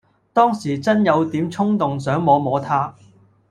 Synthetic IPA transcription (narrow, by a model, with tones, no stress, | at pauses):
t̪ɔː˥ŋsiː˨˩t͡sɐ˥njɐ˨˧wt̪iː˨˥mt͡ʃʰʊ˥ŋt̪ʊ˨ŋsœː˨˥ŋmɔː˨˧mɔː˨˧t̪ʰaː˥